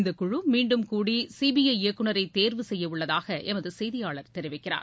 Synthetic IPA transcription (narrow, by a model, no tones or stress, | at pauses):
nd̪ɐkːʊɻɯmiːɳɖɯmkuːɽisiːbɪjɐɪɪɐkːɯɳɐɾɐɪt̪eːɾʋɯsɛjːɐʊɭːɐðaːɣɐʔɛmɐðɯsɛjðɪjaːɭɐɾt̪ɛɾɪʋɪkːɪra̰ːɾ